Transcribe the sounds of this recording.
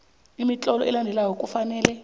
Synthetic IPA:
imit͡ɬʼɔlɔʔɛlandʱɛlajɔkʼufanɛːlɛ

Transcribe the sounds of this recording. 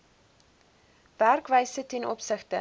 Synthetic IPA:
værkvəjsətɛnʔɔpsəχtə

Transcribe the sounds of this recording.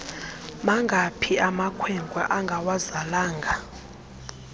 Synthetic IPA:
maŋɡʱapʰiamakʰwɛŋɡwaʔaŋɡʱawazalaːŋɡʱa

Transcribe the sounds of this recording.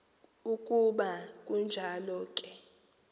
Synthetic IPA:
ukʼuɓakʼund͡ʒʱalɔkʼɛ

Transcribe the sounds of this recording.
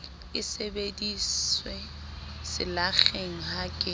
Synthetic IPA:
ɪsebediswe | sɪ̰laχeŋ̩hakʼɪ

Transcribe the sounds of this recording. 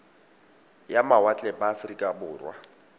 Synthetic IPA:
jamawat͡ɬʼɛbaːfrikʼabʊːrwa̰

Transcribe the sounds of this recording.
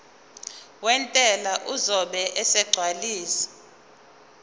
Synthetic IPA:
wɛntʼɛlaʔuzɔɓɛʔɛsɛɡ͡ǀʱwaliːsi̥

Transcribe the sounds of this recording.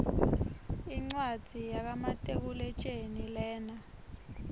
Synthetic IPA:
iŋ͡ǀwḁz̥ʱijak̬amatʼek̬ulɛt͡ʃʼenilɛːna

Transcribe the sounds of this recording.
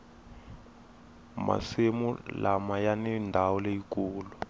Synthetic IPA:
ma̰semṵlamajanɛndʱawɔlejikuːlu

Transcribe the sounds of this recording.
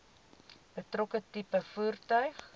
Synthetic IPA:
b̥ətrokətipəfuərtœɥχ

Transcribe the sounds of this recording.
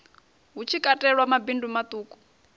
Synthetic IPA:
ɦut͡ʃʰikʼatʼɛɺwamabindumat̪ʼuːkʼu̥

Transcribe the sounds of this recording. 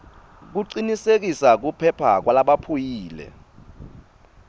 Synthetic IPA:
k̬uǀinisek̬isak̬upʰɛpʰa̰k̬walaɓapʰujiːlɛ̰

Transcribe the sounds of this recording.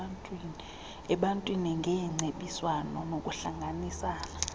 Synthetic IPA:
ntʼwini | ɛɓantʼwiniŋɡʱɛŋ͡ǀeɓiswanɔnokʼuɬaŋɡʱanisaːna

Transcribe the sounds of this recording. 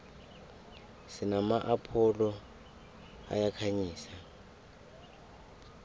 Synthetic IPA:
sinamaʔapʰɔlɔ | a̰jakʰaɲiːsa

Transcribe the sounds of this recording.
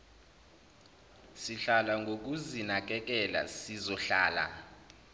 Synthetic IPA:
siɬalaŋɡʱok̬uzinak̬ʼɛk̬ʼɛla̰sizɔɬaːla̰

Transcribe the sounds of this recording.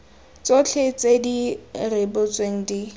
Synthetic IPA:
t͡sot͡ɬʰet͡sʼedirɪbʊt͡sʼweŋ̩di

